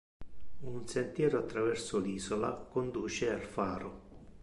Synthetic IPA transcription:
unsent̪jɛːɾʊat̪ːɾavɛrsʊliːzola̰kond̪uːt͡ʃɪalfaːɾʊ

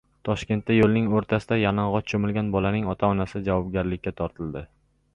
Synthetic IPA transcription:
t̪ʰɒʃkʲe̞nt̪ːajolˠnɪŋoɾt̪ʰasɪd̪ajanɒɴʁɒt͡ʃʰomɪlɡʲanbɒlanɪŋɒt̪ʰaɒnasɪd͡ʒavɒb̚ɡʲaɾlɪkʲːat̪ʰɒɾt̪ʰɪld̪ɪ

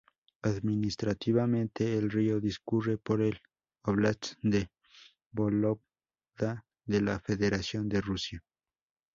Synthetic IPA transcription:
aðminist̪ɾat̪iβamẽnt̪eːlrio̞ðiskurepoɾel | oβlat͡sd̪e | bolop | d̪a | ðelafeðeɾasjond̪erusja

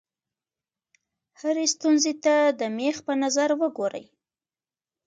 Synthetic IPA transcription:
haɾest̪unzet̪ad̪əmexpənazaɾwəɡoɾə̰j

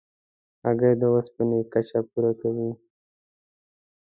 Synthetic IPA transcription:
aɡajd̪əwaspənekat͡ʃapuɾakawi

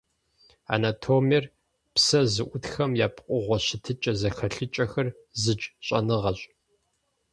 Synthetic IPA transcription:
a̰ːnatʰomir | psɐzɨʔʷʊtxɐmjaːpʰqʷʼʊʁʷɔɕɪtʰɨt͡ʃʼɐzɐxɐɬɨt͡ʃʼɐxɐr | zɨt͡ʃʼɕʼɐ̰nɨʁɐɕʼ

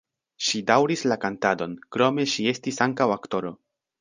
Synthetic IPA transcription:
ʃidawɾislakantado̞nkɾo̞me̞ʃie̞stisaŋkawakto̞ɾo̞

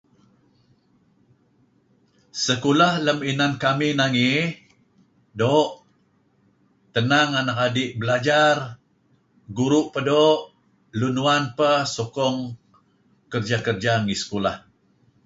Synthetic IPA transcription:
səkulahləminankaminaŋi | doʔ | t̪ənaŋanakadiʔbəlad͡ʒar | ɡuɾuʔpədoʔ | lunuanpəsokɔŋ | kərd͡ʒakərd͡ʒaŋisə̥kola̰h

